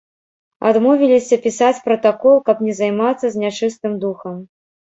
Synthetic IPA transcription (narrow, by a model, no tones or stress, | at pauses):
a̰d̪mɔvʲilʲisʲɐpʲisat͡sʲpɾɐt̪akɔlˠkɐpnʲɛzajmat̪sːɐzʲnʲat͡ʂɨst̪ɨmd̪uxɐm